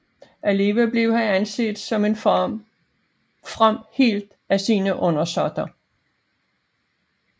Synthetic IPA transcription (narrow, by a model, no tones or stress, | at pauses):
ʔæle̝ːʋæble̝ʊhæænse̝̰ːd̥sɒ̽me̝n | fʁam̰he̝̰ːld̥ | æsiːnəʔɔ̽nɐsɒd̥ɐ